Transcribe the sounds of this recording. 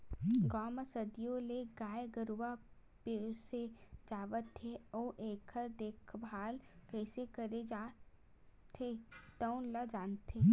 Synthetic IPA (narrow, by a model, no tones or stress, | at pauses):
ɡɔːməsəd̪ijõleɡaːjeɡəɾuʋa | peɾsed͡ʒaːʋət̪ʰːeoːʔeːkʰəɾd̪eːkʰbʱaːlkɛːsekəɾed͡ʒa | t̪ʰet̪əʊnlad͡ʒaːnt̪ʰeː